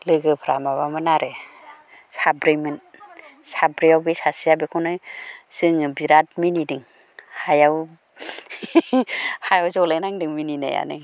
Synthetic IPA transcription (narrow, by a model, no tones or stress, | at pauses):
lɯɡɯpʰɾamaβamɯnaɾe | sabɾejmɯn | sabɾiawbisasijabikʰɔnɯjsɯŋbiɾat̚minidiŋ | hajaw | hajawzɔlajnaŋdɯŋminina̰ja̰nɯ̰